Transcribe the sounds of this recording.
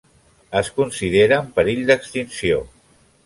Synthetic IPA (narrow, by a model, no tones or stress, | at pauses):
əskunsið̞eɾəːmpəɾiʎd̪əkst̪insio